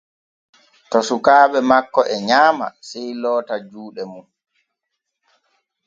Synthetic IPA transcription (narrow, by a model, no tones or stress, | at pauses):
tɔsukaːɓɛmakːɔʔɛɲaːma̰sɛjlɔːtad͡ʒuːɗɛmun